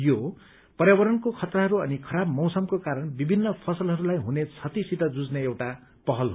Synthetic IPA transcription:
jo | pʌɾjabʌɾʌnkokʰʌt̪raɦʌɾuʌnikʰʌɾabmʌwsʌmkokaɾʌnbibʱinːʌpʰʌsʌlɦʌɾulajɦunet͡sʰʌt̪isit̪ʌd͡zud͡zneewʈa | pʌɦʌlɦo

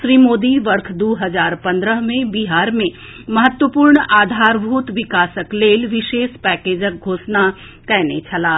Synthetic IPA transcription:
ʃɾiːmoːd̪iʋɐɾkʰd̪oːɦɐzaːɾpɐ̃nd̪ɾəɦmẽbiɦaːɾmẽ | mɐɦət̪wəpuːɾɳaːd̪ʱaːɾbʱuːt̪ʋɪkaːsəkleːlʋɪʃeːʃpɛːkeːd͡ʒək̚ɡʱoːsna | kɛɦnet͡ʃʰɐlaː

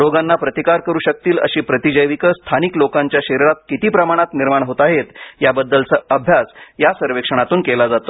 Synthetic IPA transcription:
ɾoɡanːapɾət̪ikaɾkəɾuːɕək̚t̪iːlə̰ɕiːpɾət̪id͡ʑəjʋikəst̪ʰaniklokaɲt͡ɕjaɕeɾɾat̪̚kit̪iːpɾəmaɽ̃at̪niɾmaɳ̃ɦot̪aɦet̪jabəd̪ːəlt͡səəbʱjasjasəɾʋekʂəɽ̃at̪uːnkelad͡zat̪o

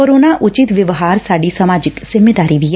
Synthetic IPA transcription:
oːɾoːnaːʔʔʊt͡ʃɪt̪ʋɪʋɦaːɾsaːɖiːsəmaːd͡ʒɪksɪmeːd̪aːɾiːʋi

